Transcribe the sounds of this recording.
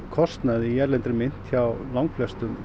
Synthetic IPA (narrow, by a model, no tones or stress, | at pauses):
kʰɔst̪naðiɛɾlɛnt̪ɾɪmɪn̥t̪çawlawŋkflɛst̪ʏm